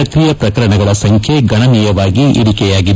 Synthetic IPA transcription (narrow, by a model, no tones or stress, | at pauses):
ɐt̪ɾijɐpɾɐkɐɾɐɳɐɡɐɭɐsɐŋkʰjeɡɐɳɐniːjɐʋaːɡiʔḭɽikɛjaːɡid̪